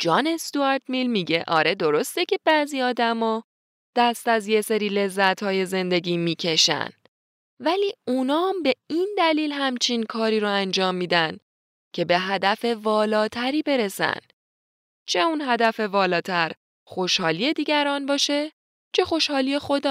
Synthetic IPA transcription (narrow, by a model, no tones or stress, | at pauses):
d͡ʒɒːnest̪uæɾt̪milmiɟeʔɒ̰ːɾe̞d̪o̞ɾo̞st̪e̞cʰe̞b̥æziːɒːd̪æmɒː | d̪̥æst̪æzje̞se̞ɾiːle̞zːæt̪hɒːje̞ze̞nd̪e̞ɟiːmiːcʰe̞ʃæ̰n | væliːunɒːmbe̞ind̪æliːlhæmt͡ʃʰinkʰɒːɾiːɾoænd͡ʒɒːmːiːd̪æn | cʰe̞be̞ɦæd̪æfe̞vɒːlɒːt̪ʰæɾiːbe̞ɾe̞sæ̰n | t͡ʃʰe̞unɦæd̪æfe̞vɒːlɒːt̪ʰæɾ | xo̞ʃhɒːliːe̞d̪iːɟæɾɒːnbɒːʃe̞ | t͡ʃʰe̞xo̞ʃhɒːliexo̞d̪